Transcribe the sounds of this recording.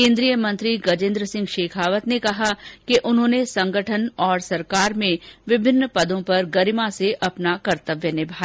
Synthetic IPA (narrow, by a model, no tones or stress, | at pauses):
kẽːnd̪ɾijəmɐ̃nt̪ɾiɡɐd͡ʒɪ̃ːnd̪ɾəsɪ̃ŋɡʃeːkʰaːʋət̪nekɐɦakeʔʊnɦõːnesɐ̃ŋɡʱəʈʰənɔːɾsɐɾkaːɾmẽʋɪbʱɪnːpɐd̪õpɐɾɡɐɾɪmãseʔɐpnakɐɾt̪əʋjənɪbʱaː